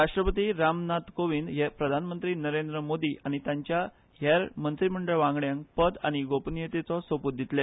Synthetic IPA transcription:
ɾaʂʈɾəpət̪iɾamnat̪koʋind̪ɦepɾəd̪ʱanmənt̪ɾiːnəɾend̪ɾəmod̪iːʔaɽ̃it̪jãɲt͡ɕja | ɦjaɾmənt̪ɾim̤əɳɖəɭʋãŋɡɭjãŋkpəd̪aɽ̃iɡopnijet̪et͡sɔsəput̪̚d̪ʱit̪le

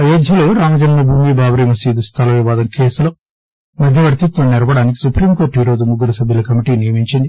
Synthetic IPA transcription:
ɐjɐd̪ʱjɐloɾaːmɐd͡ʒɐnmɐbʱuːmiːbʱaːbɐɾɐmɐsiːd̪ust̪ʰɐlɐʋiʋaːd̪ɐmkeːsuloː | mɐd̪ʱjɐʋɐɾt̪it̪ʋɐmniɾɐbɐɽaːnik̬i̥supɾiːmko̞ːɾʈɦiɾoːd̪umuɡːuɾɐsɐbʱjilɐkɐmiʈiːnijɐmiɲt͡ʃind̪i

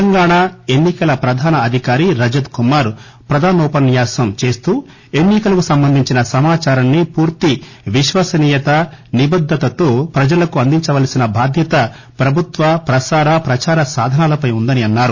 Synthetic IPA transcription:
ɐŋɡaːɳae̞nːikɐlɐpɾɐd̪ʱaːnɐːd̪ʱikaːɾiɾɐd͡ʒɐd̪kumaːɾ | pɾɐd̪ʱaːnuːpɐnːjaːsɐmt͡ʃe̞ːst̪uː | enːikɐlɐkusɐmbɐnd̪ʱiɲt͡ʃinɐsɐmaːt͡ʃaːɾɐnːipuːɾt̪i | ʋiʃʋaːsɐniːjɐt̪ɐnibɐd̪ʱːɐt̪ɐt̪oːpɾɐd͡ʒɐlɐkuɐnd̪iɲt͡ʃɐʋɐːlɐsinɐbʱaːd̪ʱjɐt̪ɐ | pɾɐbʱut̪ʋɐpɾɐsaːɾɐpɾɐt͡ʃaːɾɐsaːd̪ʱɐnaːlɐpɐjund̪ɐniɐnːaːɾu

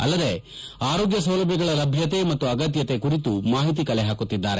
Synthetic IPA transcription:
ɐ̰lːɐd̪e̞ | aːɾo̞ːɡjɐs̬ɐwlɐbʱjɐɡɐɭɐlɐbʱjɐt̪e̞mɐt̪ːuɐɡɐt̪̬jɐt̪e̞kuɾit̪umaːɦit̪ikɐɭeɦaːkut̪ːid̪ːaːɾe

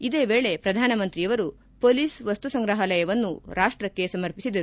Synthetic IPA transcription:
id̪eːʋeːɭe̞pɾɐd̪ʱaːnɐmɐnt̪ɾijɐʋɐɾu | poːlisʋɐst̪usɐŋɡɾɐɦɐlɐjɐʋɐnːuɾaːʂʈɾɐkːe̞sɐmɐɾpisid̪ɐɾu

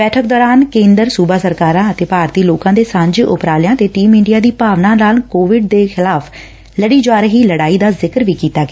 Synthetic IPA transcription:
bɛːʈʰək̚d̪ɔːɾaːnkẽːnd̪əɾsuːbaːsəɾkaːɾãːət̪eːpaːɾt̪iːloːkãːd̪eːsãːɲd͡ʒʊ̰pɾaːlɪjãːt̪eːʈiːmɪ̃ɳɖɪjaːd̪iːpaːʋnãːnaːlkoːʋɪɖd̪eːxʰɪlaːpʰ | ləɽiːd͡ʒwaːɾɦiːləɽaːiːd̪aːzɪkəɾʋiːkiːt̪aːɡɛː

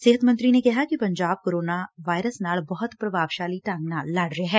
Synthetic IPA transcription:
seːɦət̪mɐ̃nt̪ɾinekɐɦakipɐ̃ɲd͡ʒaːb̚koːɾoːnaʋaːɪɾəsnaːɭbɐɦʊt̪pɾɐbaːʋʃaːliʈãːŋɡnaːllaːɽɾeɦɛ̃ː

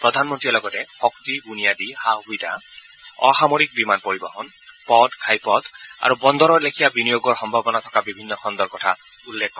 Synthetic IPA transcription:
pɹɔd̪ʱanmɔntilɔɡɔtɛxɔktibunijadihaɦujda̰ | ɔ̰xamɔɹik̚bimanpoɹiba̰ɦɔn | pɔdkʰajpɔta̰ɹubɔnd̪ɔɹɔɹlekʰijabinijoɡɔɹxɔmbʱabɔnatʰɔkabibʱinːɔxʰɔnd̪ɔɹkɔtʰa̰ulːekʰːɔ

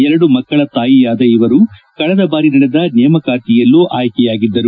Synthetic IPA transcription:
ɛɾɐɽumɐkːɐɭɐt̪aːjijaːd̪ɐiʋɐɾukɐɭɛd̪ɐbaːɾinɐɽɛd̪ɐnɛːmɐkaːʈijɐlːuʔaːjkɛjaːɡid̪ːɐɾu

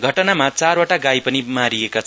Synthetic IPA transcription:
ɡʱʌʈʌnamat͡sarwaʈaɡajpʌnimaɾiekat͡sʰ

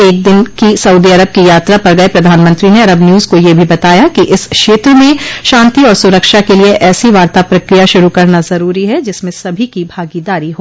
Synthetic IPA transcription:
eːk̚d̪ɪnkisɐuːd̪iɐɾəb̚kijaːt̪ɾapɐɾɡɐepɾɐd̪ʱaːnmə̃nt̪ɾineɐɾəbnjuːzkojebʱibɐt̪aːjakiʔɪsʃeːt̪ɾomẽʃãːnt̪iɔːɾsʊɾəkʃakelieʔɛːsiʋaːɾt̪apɾɐkɾijaʃʊɾukɐɾnazɐɾuːɾiɦɛd͡ʒɪsmẽsɐbʱikibʱaːɡid̪aːɾiɦoː

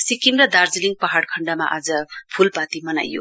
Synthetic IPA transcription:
sikimɾɐd̪aɾziliŋpaɦaɽkʰɐɳɖama̰ʔazɐpʰulpatimɐna̰jːṵ

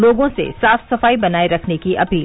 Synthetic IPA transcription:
loːɡõsḛsaːfsɐfaːibɐnaːeɾɐkʰnekiʔɐpiːl

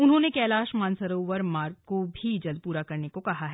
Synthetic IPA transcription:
ʊnɦõːnekɛːlaːʃmãːnsɐɾoːʋəɾmaːɾɡkobʱid͡ʒɐld̪̚puːɾakɐɾnekokɐɦaɦɛː

